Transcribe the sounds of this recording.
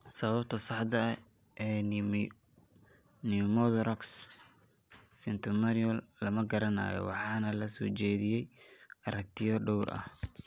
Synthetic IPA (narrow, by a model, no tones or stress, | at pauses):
sɐβɐbt̪ʰɔsɑħd̪ɐ | ʔɛː | nɪmɔðɾɔks | sɪnt̪ʰʊmɐnɔlːɐmɐɡɐɾɐna̰ːjɔ̰wɑ̰ħɑːnɐlɐsɔ̰ːt͡ʃɛːðɪjɛjʔɐɾɐk̚t̪ʰɪjɔɖɔwrʔɐ̰h